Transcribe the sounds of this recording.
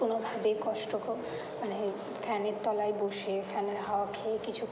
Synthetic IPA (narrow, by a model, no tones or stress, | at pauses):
onobʱabekɔʃʈoko | mane | fɛneɾt̪ɔlaeboʃefɛneɾɦɔkʰekit͡ɕʰu